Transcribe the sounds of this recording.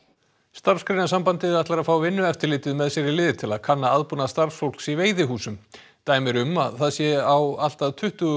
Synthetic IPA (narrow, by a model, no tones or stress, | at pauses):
st̪ar̥skɾejnasampant̪ɪɛɾaht̪laɾaðfaːwvɪnːʏɛft̪ɪɾlɪːt̪ɪðmɛðsɛɾɪlɪːðɪt̪ʰɪlaðkʰanːaaðpunaðst̪aɾ̥sfowl̥ksiveːjðɪɦuːsʏm | t̪aːjmɪɾʏmaðθaðsjɛawal̥t̪aðt̪ʰʏht̪ʏɣʏ